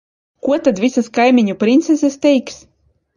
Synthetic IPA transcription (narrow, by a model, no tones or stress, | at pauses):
kuɔt̪ad̪vʲisaskajmʲiɲʲupɾʲint̪sɛsɛst̪ʲɛjks